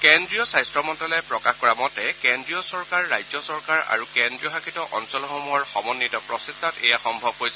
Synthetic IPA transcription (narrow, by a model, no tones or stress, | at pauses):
kɛndɹiɔsajstɹɔmɔntɔlɔjpɹɔkaxkɔɹamɔtɛkɛndɹijɔsɔɹkaɹːajzɔsɔɹkaɹa̰ɹukɛndɹijɔɦakitɔʔɔnsɔlɔxomuɔɹxɔmɔnːitɔpɹɔsestʰatɛ̰jaxɔmbʱɔb̚kojsɛ